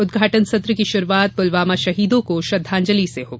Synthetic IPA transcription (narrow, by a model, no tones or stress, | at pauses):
ʊd̪ɡʱaːʈənsɐt̪ɾəkiʃʊɾuʋaːt̪̚ʊlʋaːmaʃɐɦiːd̪õkoʃɾɐd̪ʱːãːɲd͡ʒəliseɦoːɡ